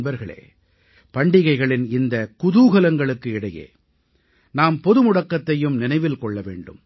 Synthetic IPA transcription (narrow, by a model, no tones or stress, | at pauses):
bɐɾɣɐɭḛː | pɐɳɖɪɣɐɪɣɐɭɪnɪnd̪ɐkʊðuːɣɐlɐŋɡɐɭɯkːɯɪɽɐjḛː | naːmpɔðɯmʊɽɐkːɐt̪ːɐjɯmnɪnɐɪʋɪlkɔɭːɐʋḛːɳɖɯ̰m